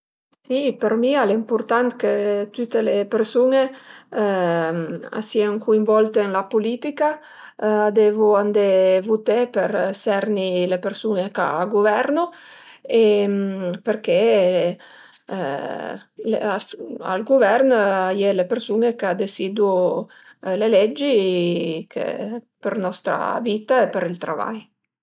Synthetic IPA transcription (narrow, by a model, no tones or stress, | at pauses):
sipeɾmialempuɾt̪ant̪ket̪yt̪elepeɾsune | a̰siaŋkuiɱvɔlt̪eɛnlapulit̪ika | ad̪ɛvuand̪evut̪epeɾsɛɾnilepeɾsuneka̰ɡuvɛɾno | empeɾke | leaa̰lɡuvɛrnajɛlepeɾsunekad̪esid̪u | lelɛd͡ʒːi | kʰḛpernɔst̪ɾa̰viːt̪aepeɾilt̪ɾa̰va̰j